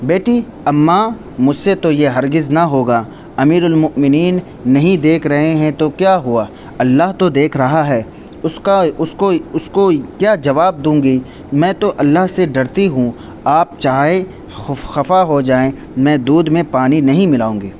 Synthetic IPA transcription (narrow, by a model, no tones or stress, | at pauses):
beːʈʰi | ɐmːa | mʊd͡ʒʱset̪ojeɦɐɾɡɪznaɦoːɡa | ɐmiːɾʊlmʊmɪniːnː | ɐɦĩd̪eːkʰɾɐɦeɦɛ̃t̪okjaːɦua | ɐlːaɦt̪od̪eːkʰɾɐɦaɦɛː | ʊskaʊskoʊskokjaːd͡ʒɐʋaːb̚d̪ũːɡi | mɛ̃ːt̪oʔɐlːaɦseɖɐɾt̪iɦũ | aːp̚t͡ʃaːɦe | xʊxɐfaɦod͡ʒaːẽ | mɛ̃ːd̪uːd̪mẽpaːninɐɦĩmɪlaːũːɡeː